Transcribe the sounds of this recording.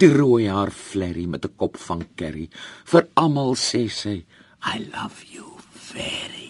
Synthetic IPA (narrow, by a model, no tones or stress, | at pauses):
d̥iruəjɦaːrflɛɾimɛtəkɔpfɐnkɛɾifəɾɐmɐlˠsɛsəj | ajlʌv̥juv̥ɛɹi